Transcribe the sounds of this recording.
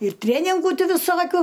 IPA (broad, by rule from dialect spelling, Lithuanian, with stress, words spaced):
ɪr ˈtʲrʲeːnʲɪŋɡuː ˈtʲɪ ʋʲɪˈsoːkʲʊ